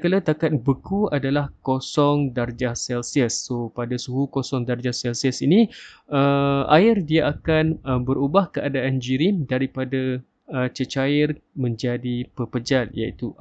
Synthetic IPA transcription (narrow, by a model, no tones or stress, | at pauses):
kalat̪akat̪̚bəkuadalahkosɔŋdard͡ʒahsɛlsiəsːopadasuɦukosɔŋdard͡ʒahsɛlsiəsinĩəa̰ɪrdiaʔakanəbəɾubahkəadaand͡ʒiɾimdaɾipada | ət͡ʃət͡ʃaərmə̃ɲd͡ʒadipəpəd͡ʒalja̰ḭt̪u